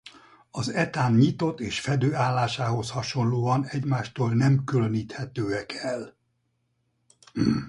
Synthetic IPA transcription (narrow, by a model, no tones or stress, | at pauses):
ɒzɛt̪aːnɲit̪o̞t̪ːeːʃfɛd̪øːaːlːaːʃaːɦo̞shɒʃo̞nloːɒnɛɟmaːʃt̪oːlnɛmkyløniːt̪hɛt̪øːɛkʰɛl